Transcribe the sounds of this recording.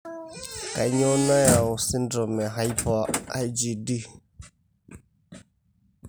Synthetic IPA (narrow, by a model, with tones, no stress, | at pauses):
ka˨˦ɲɔ˦na˦ja˨ʊ˨si˦ndɾɔ˨mɛ˨ɦa˦jpɔ˦a̰˦d͡ʒi˨di˦